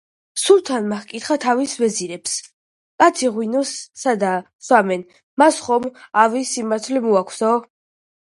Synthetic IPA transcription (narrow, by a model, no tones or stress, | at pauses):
sulˠt̪ʰanmakkʼit̪χat̪ʰavisvɛziɾɛps | kʼat̪sʰiʁwinɔsːad̪a | samɛn | masχɔmavisimaɾt̪ʰlɛmuakʷʰsɔ